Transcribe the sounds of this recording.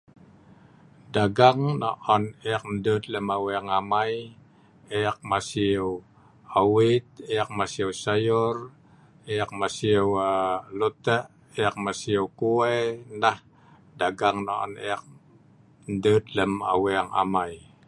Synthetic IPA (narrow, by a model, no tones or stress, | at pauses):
daɡaŋnɔʔɔneak̚ndət̪̚ləmaweaŋamaj | ɛak̚masiəw | awit̪̚eak̚masiəwsajʊr | eak̚masiəwlut̪əʔ | eak̚masiəwkuenah | daɡaŋna̰ʔɔ̰nɛ̰ak̚ | ndət̪̚ləma̰wɛaŋa̰maj